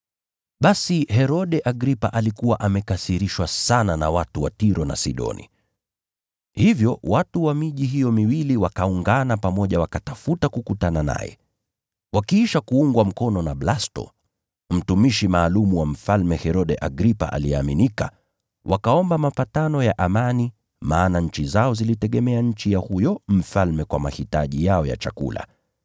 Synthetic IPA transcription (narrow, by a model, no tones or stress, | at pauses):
ɓasiɦɛɾɔɗɛʔaɡɾipa̰ʔalikuwaʔamɛkasiɾiʃwasanana̰watuwa̰tiɾɔna̰sḭɗɔ̰nḭ | hivjɔwatuwamiʄiɦijɔmiwiliwakauŋɡanapamɔʄawakatafutakukutanana̰jɛ̰ | wʔakiiʃakuuŋɡwam̩kɔnɔnablastɔ̰ | m̩tumiʃimaːlumuwam̩falmɛhɛɾɔɗɛʔaɡɾipa̰ʔa̰liɛaminika̰ | wʔakaɔmbamapatanɔjaʔamani | maːnaɲ̩t͡ʃizaɔzilitɛɠɛmɛaɲ̩t͡ʃijahujɔm̩falmɛkwa̰ma̰hitaʄijaɔja̰t͡ʃa̰kṵla̰